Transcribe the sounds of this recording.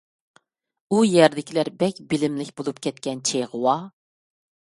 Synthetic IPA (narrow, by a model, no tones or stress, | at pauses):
ujɛɾd̪ɪkʲʰilæɾbɛkʲbɪlɪmlɪkʲbolˠupkʲʰɛt̪̚kʲɛnt͡ʃʰeʁəwɑ